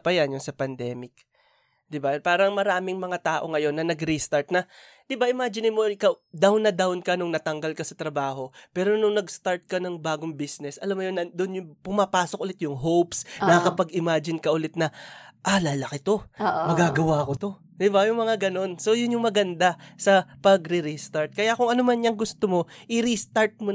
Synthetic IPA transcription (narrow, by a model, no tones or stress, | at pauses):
pɐjanjʊnsɐpɐnd̪ɛːmɪk̚ | d̪ɪbapaːɾɐŋmɐɾaːmɪŋmɐŋat̪aːʔo̞ŋɐjo̞nːɐnɐɡɾist̪aɹt̪̚nɐ | d̪̥ɪbaʔɪmaːd͡ʒɪnɪmokɐd̪awnːɐd̪awnkɐnʊŋnɐt̪ɐŋɡɐlkɐsɐt̪ɾɐbaːɦo̞pɛːɾo̞nʊŋnɐɡst̪aɹt̪̚kɐnɐŋbaːɡoŋbisnɛsʔɐlamːʊjonɐd̪onjʊŋpʊmapaːsok̚ʔʊlɪt̪jʊŋɦopsnɐkɐpɐɡɪmaːd͡ʒɪnkɐʔʊlɪt̪̚nɐʔalalɐkɪt̪o̞mɐɡaːɡɐwakot̪o̞ | d̪ɪbajʊŋmɐŋaɡɐno̞nso̞jʊnjʊŋmɐɡɐnd̪asɐpɐɡɾɪɾist̪aɹt̪̚kɐjakʊŋʔɐnomanɲɐŋɡʊst̪omo̞ʔɪɾist̪aɹt̪̚mo